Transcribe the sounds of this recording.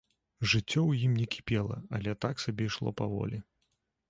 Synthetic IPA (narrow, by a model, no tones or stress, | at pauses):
ʐɨt͡sʲːɔwjimnʲɛkʲi̥pʲɛlˠɐ̰ɐlʲɛt̪aksabʲɛjʂlˠɔ̰pavɔ̰lʲi